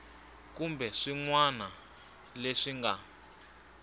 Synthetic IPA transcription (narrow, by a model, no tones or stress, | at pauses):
kumbɛʂiŋwana | leʂiŋɡa̰